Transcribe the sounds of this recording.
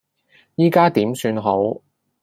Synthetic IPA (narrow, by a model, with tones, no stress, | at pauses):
jiː˥kaː˥t̪iː˨˥msyː˧nɦo˨˥w